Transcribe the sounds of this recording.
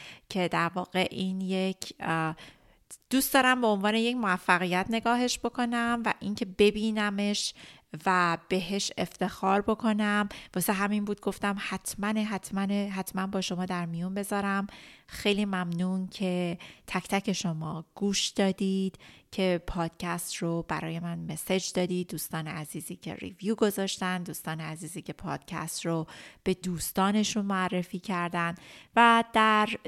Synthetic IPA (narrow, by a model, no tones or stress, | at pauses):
cʰe̞d̪æɾvɒːɣe̞ʔiːnjecʰ | d̪̥uːst̪ɒːɾæmbe̞onvɒːne̞je̞cmoæfːæɣijæt̪ʰne̞ɡɒːɦe̞ʃb̥o̞kʰo̞næmvæʔiːncʰe̞be̞biːnæme̞ʃvæb̥e̞ɦe̞ʃe̞ft̪e̞xɒːɾbo̞kʰo̞næmvɒːseɦæminbuːd̪̚ɡo̞ft̪æmhæt̪ʰmæneɦæt̪ʰmæneɦæt̪ʰmænbɒːʃo̞mɒːd̪æɾmijunbe̞zɒːɾæmxe̞jliːmæmnuːncʰe̞t̪ʰæcʰt̪ʰæcʰe̞ʃo̞mɒːɡ̥uːʃd̪̥ɒːd̪id̪̥cʰe̞pʰɒːd̪̥cʰæst̪robæɾɒ̰ːje̞mænmesed͡ʒd̪ɒːd̪iːd̪̚ːuːst̪ɒːneæziːziːcʰḛɾḭvjuːɡo̞zɒːʃt̪ænd̪uːst̪ɒːneæziːziːce̞pʰɒ̰ːd̪̥cʰæ̰st̪rob̥e̞d̪uːst̪ɒːne̞ʃunmoærːe̞fiːcʰæɾd̪ænd̪væd̪̥æɾ